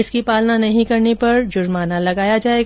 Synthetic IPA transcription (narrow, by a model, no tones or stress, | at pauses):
ɪskipaːlnanɐɦĩkɐɾnipɐɾd͡ʒʊɾmaːnalɐɡaːjad͡ʒaːeːɡ